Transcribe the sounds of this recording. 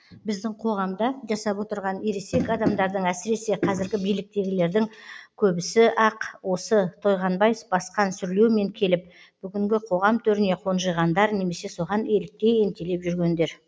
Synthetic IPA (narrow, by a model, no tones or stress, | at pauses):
bɪzd̪ɪŋqʰo̞ʁɑmd̪ɑʒɑsɑpwo̞t̪əɾʁɑneɾese̞kɑd̪ɑmd̪ɑɾd̪əɴæsɪɾe̞se̞qʰɑzɪɾɡʲɪbijlɪk̚t̪e̞ɡʲɪle̞ɾd̪ɪŋkʲʰɵbɪsɪʔɑqwo̞sət̪ʰo̞jʁɑnbɑjfbɑsqɑnsʏɾle̞wme̞ŋkʲʰe̞lɪp̚ | b̥ʏɡʲɪŋɡʲɪqʰo̞ʁɑmt̪ʰɵɾɪne̞qʰo̞nʒəjʁɑnd̪ɑɾne̞me̞se̞so̞ʁɑnelɪk̚t̪e̞e̞mt̪e̞le̞pʒʏɾɡʲe̞nd̪e̞ɾ